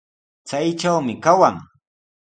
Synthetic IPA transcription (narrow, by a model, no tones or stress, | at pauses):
t͡sajʈ͡ʂawmɪkawaŋ